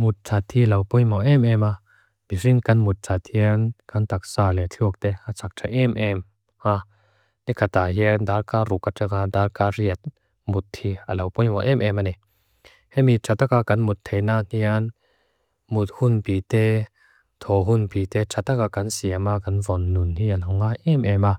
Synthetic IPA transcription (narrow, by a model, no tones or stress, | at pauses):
mut̪̚tʰat̪ʰilɐwpɔjmɔʔɛmɛma | b̥iriŋkɐnmut̪̚tʰat̪ʰhiankɐnt̪ak̚saːlɛt͡ɬʰuk̚t̪ɛat͡sʰak̚tʰaʔɛmʔɛm | ha | nikʰat̪aɦindaːlkarukatakad̪aːlkariət̪̚ | mut̪ʰhialɐwpɔwɔʔɛmʔɛmanɛ | hɛmiʈ͡ʂʰat̪akakanmut̪ʰːejnan̥ian | mut̪̚hunpiːt̪ɛ | t̪ʰɔɦunpit̪ɛʈ͡ʂʰat̪akakansiamakanvɔnːunnianɦɔŋaʔɛmʔɛma